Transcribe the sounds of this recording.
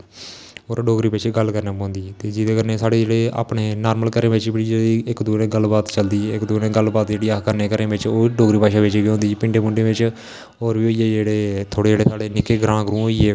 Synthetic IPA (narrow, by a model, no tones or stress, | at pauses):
oːɾɖoːɡɾiːpet͡ʃʰeɡəlkəɾnãːpãːnd̪iːt̪eːd͡ʒɪd̪eːkəɾneːsaːɽeːd͡ʒeːɽeːa̰ːpɳeːnaːɾməlkəɾẽːʋɪt͡ʃbɪɽid͡ʒeːiːɪkd̪uːnẽːɡəlbaːt̪t͡ʃəld̪iːɪkd̪uneːɡəlbaːt̪d͡ʒeːɽiːakəɾneːkəɾẽːʋɪt͡ʃoːɖoːɡɾiːpaːʃaːʋeːt͡ʃiɡiːɦõnd̪iːpɪɳɖeːmʊɳɖeːʋɪt͡ʃ | oːɾʋiːoːieːd͡ʒeːɽeːt̪ʰoːɽeːd͡ʒeːɽeːsaːɽeːnɪkeːɡɾãːɡɾũːɦoːieː